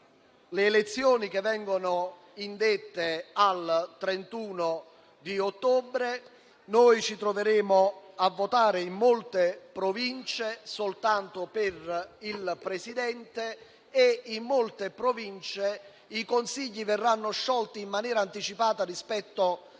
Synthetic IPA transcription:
leːlet̪sːjɔːnik̟evːɛŋɡonʊ | ind̪et̪ːealt̪ɾent̪uːno | d̪iot̪ːɔːbɾe | noːjt͡ʃit̪ɾoveɾeːmoavːot̪aːɾeimːolt̪epɾovint͡ʃesolt̪ant̪operilpɾesid̪ɛnt̪eː | imːolt̪epɾovint͡ʃe | ikonsiʎːivɛrːanːoʃːɔlt̪iːmːanjɛːɾaːnt̪it͡ʃipaːt̪arispɛt̪ːo

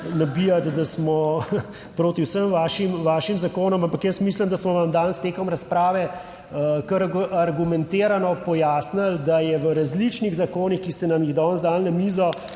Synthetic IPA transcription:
nabijat̪d̪asmɔ | pɾoːt̪iwsəmʋaːʃimʋaːʃimzakoːnɔmampɐkjəsmiːsləmd̪asmɔʋamd̪anst̪eːkɔmɾɐspɾaːʋɛ | kəɾaɾɡumɛ̃nt̪eːɾanɔpɔjaːsnald̪ajɛʋəɾazlit͡ʃniɣzakoːnixkist̪ɛnamjiɣd̪ɔnzd̪aːlnɐmiːzɔ

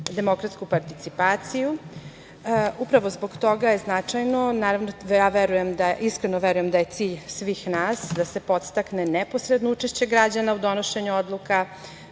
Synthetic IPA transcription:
d̪e̞mo̞kɾat̪skupaɾt̪it̪sipaːt̪siju | upɾaʋozbo̞ɡt̪o̞ɡajeznat͡ʂajnonaːɾavnojaːʋeɾuje̞md̪aʔiskɾenoʋeɾujemd̪aje̞t̪siːʎsʋiːxnaːsd̪ase̞po̞t̪st̪aknenɛpo̞sɾed̪nout͡ʂeʃt͡ɕe̞ɡɾad͡ʑanaud̪o̞noʃe̞ɲuod̪lˠuka

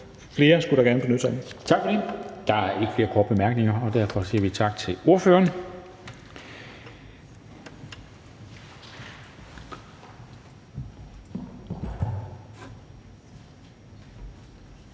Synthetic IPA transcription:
fle̝ːɐsɡ̥uɾɑ̈ɡæɐnəb̥enød̥sɑmt͡sʰɑ̈ɡ̥fɒ̽d̥ed̥ɑ̈æɐe̝ɡ̥ə̥fle̝ːɐkʰɒːd̥̚b̥emæɐɡ̥ne̝ŋɐɒ̽d̥æɐfɒ̽sḭɐʋit͡sʰɑ̈ɡ̥̚t͡sʰe̝lo̝ɐføːɐn

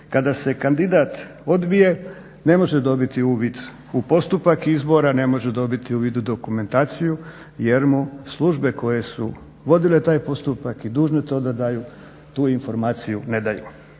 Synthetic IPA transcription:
kad̪ase̞kand̪id̪aːt̪ | o̞d̪bije̞ | ne̞mo̞ʒed̪o̞bit̪iuːʋid̪ | upo̞st̪upakizbo̞ɾane̞mo̞ʒed̪o̞bit̪iuːʋid̪ud̪o̞kume̞nt̪aːt̪siju | je̞ɾmuslˠuʒbe̞ko̞je̞sṵ | ʋo̞d̪ile̞t̪aːjpo̞st̪upakid̪uːʒne̞t̪o̞ːd̪ad̪aːjuː | t̪uːinfo̞ɾmaːt̪sijune̞d̪ajṵ

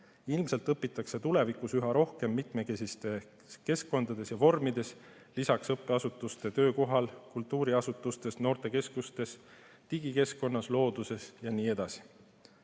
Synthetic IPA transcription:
ilmse̞lt̪ˑɤpːˑit̪ːˑɑkse̞t̪ule̞vikˑusyɦɑɾo̞hke̞mːit̪me̞kesist̪e̞ | ke̞skːˑo̞nd̪̥ɑd̪̥e̞sjɑvo̞rmid̪̥e̞s | lisɑksɤpːˑe̞ɑsut̪ːˑust̪e̞t̪ø̞ːko̞ɦɑlkult̪ːˑuːɾiɑsut̪ːˑust̪e̞sno̞ːrt̪e̞ke̞skust̪e̞s | t̪iɡike̞sko̞nːɑslo̞ːd̪̥use̞sjɑniːe̞d̪̥ɑsi̥

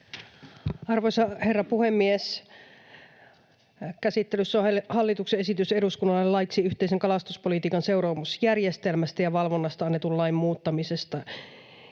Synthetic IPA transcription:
ɑrʋojsɑherːɑpuhemːies | kæsit̪ːelysːohɑlːit̪ukseesit̪yseduskunːɑlɑelɑjt̪ːsiyht̪eiseŋkɑlɑst̪uspolit̪iːkɑnse̞uɾoːmusjærjest̪elmæst̪æjɑʋɑlʋonːɑst̪ɑɑnːet̪ullɑimːmuːt̪ːɑmisest̪ɑ

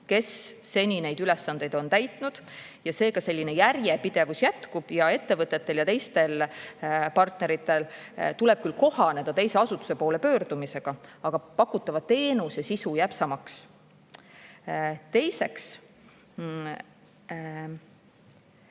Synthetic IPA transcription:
ke̞sː | e̞nʲine̞jd̪̥ylesːɑnd̪̥e̞jd̪̥o̞nt̪æjt̪ˑnud̪̥ | jɑse̞ːɡɑse̞lʲːine̞jærjepid̪̥e̞vusjæt̪kub̥jɑe̞t̪ːe̞vɤt̪ːˑe̞t̪ːe̞ljɑt̪e̞jst̪e̞l | pɑrt̪ˑneɾit̪ːˑe̞lt̪ule̞b̥̚kylko̞hɑne̞d̪̥ɑt̪e̞jse̞ɑsut̪ːu̥se̞poːle̞pø̞ːrd̪̥umise̞ɡ̥ɑɑɡ̥ɑpɑkːˑut̪ːˑɑvɑt̪e̞ːnusjɑsisujæpsɑmɑks | t̪e̞jse̞ks

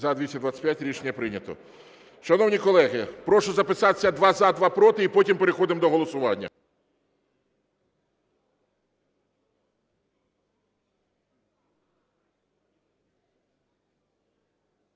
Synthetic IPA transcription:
zɐd̪ʲʋʲisʲɐd̪ʋat͡sːʲpʲjatʲɾʲiʃenʲːɐpɾɪnʲɐt̪ɔ̰ | ʃɐnɔwnʲikɔlˠɛɣɪpɾɔʃʊzɐpɪsɑt̪sʲɐd̪ʋɑzad̪ʋɑpɾɔt̪ɪipɔtʲimpe̞ɾexɔd̪ɪmd̪ɔɦɔlˠɔsʊʋɑnʲːɐ̰

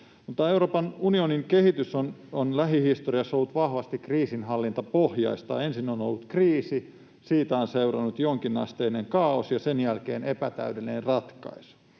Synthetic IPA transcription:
mut̪ːɑeuɾoːpɑnunioniŋkehit̪ysononlæɦihist̪oriɑsːolːut̪ʋɑhʋɑst̪ikriːsinɦɑlːint̪ɑpohjɑ̰ist̪ɑ̰ːensinːono̰lːut̪kriːsi | siːt̪æonseurɑnːut̪joŋkinɑ̰st̪eineŋkɑosjɑsenjælkeːnepæt̪æ̰ydelːinerrɑt̪kɑ̰isu̥

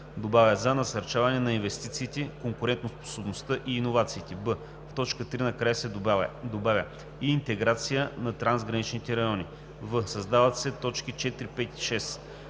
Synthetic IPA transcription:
d̪obavʲəzɐnɐsɐɾt͡ʃavɐnɛnɐinvɛst̪it̪siːt̪ɛkoŋkʊɾɛnt̪nospo̥sobnost̪ɤʔiːnovat̪siːt̪ɛbə | ft̪ɔt͡ʃkət̪ɾinɐkɾajəsɛd̪obavʲə | iːnt̪ɛɡɾat̪sijənɐt̪ɾanzɡɾɐnit͡ʃnit̪ɛɾɐjɔni | vɤsɐzd̪avɐt̪sɛt̪ɔt͡ʃkit͡ʃɛt̪ɾipɛt̪i̥ʃɛs

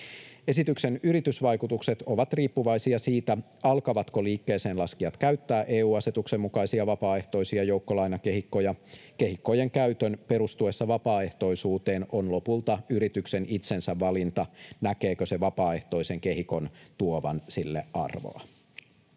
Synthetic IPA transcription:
e̞sit̪ykse̞nyɾit̪ysʋɑjkut̪ukse̞t̪o̞ʋɑt̪riːpːuʋɑjsiɑsiːt̪æ | ɑlkɑʋɑt̪koliːkːe̞ːse̞ːnlɑskiɑt̪kæyt̪ːæːʔeːuːɑset̪uksemːukɑjsiɑʋɑpɑːe̞ht̪o̞isiɑjowkːolɑjnɑkeɦikːojɑke̞ɦikːo̞jeŋkæyt̪ønpe̞ɾust̪ue̞sːɑʋɑpɑːe̞ht̪o̞isuːt̪e̞ːno̞nlo̞pult̪ɑyɾit̪yksenit̪se̞nsæʋːɑlint̪ɑnæke̞ːkøse̞ʋɑpɑːe̞ht̪o̞ise̞ŋke̞ɦiko̞nt̪uoʋɑ̰nsilːḛɑ̰rʋo̰ɑ̰

